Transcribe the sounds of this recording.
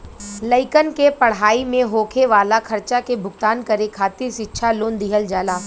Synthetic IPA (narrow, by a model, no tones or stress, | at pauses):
ləɪkənkepɐɽ̤ɦaːimẽɦoːkʰeʋaːlakʰɐɾt͡ʃakebʱʊɡt̪aːnkɐɾekʰaːt̪iɾʃɪtːʃʰaloːnd̪iɦəld͡ʒaːlaː